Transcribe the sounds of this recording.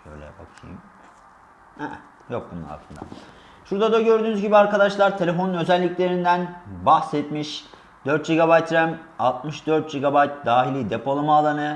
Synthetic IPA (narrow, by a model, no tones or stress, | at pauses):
ø̰jlʲɛ̰o̰kʰḭm | hɛ | jok̚buna̰a̰sˠɯnd̪a̰ | ʃuɾd̪ad̪aɟø̞ɾd̪yːnyzɟibiaɾkad̪aʃlˠaɾt̪ʰe̞lʲe̞fonunø̞zælʲːiclʲe̞ɾind̪ænbahsɛt̪miʃ | d̪̥øɾt̪̚d͡ʒiɡabajt̪ɾæmalˠt̪mɯʃd̪øɾt̪̚d͡ʒiɡabajt̪̚d̪aːɦilʲid̪epʰo̞lˠɯmaːlˠanɯ